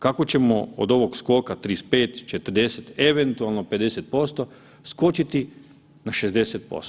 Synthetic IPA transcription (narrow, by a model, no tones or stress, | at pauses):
kako̞t͡ɕemoo̰d̪o̞ʋoɡsko̞kat̪ɾispe̞ːt̪t͡ʃet̪ərd̪e̞set̪e̞ʋent̪ualˠnope̞d̪e̞set̪̚po̞st̪o̞ | sko̞t͡ʃit̪i | naʃezd̪e̞set̪̚po̰st̪